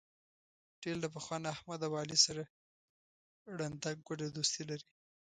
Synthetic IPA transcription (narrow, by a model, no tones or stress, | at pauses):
ʈeld̪əp̬əxwɑnahmad̪awɑlisaɾa | ɽand̪aɡ̚ɡwaɖad̪ost̪ilaɾi